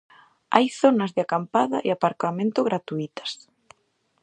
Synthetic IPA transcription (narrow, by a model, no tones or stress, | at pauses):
ajθonɐzðɪakampaðɐ̰ʔḛapaɾkamẽnt̪ʊɣɾat̪uit̪ɐ̥s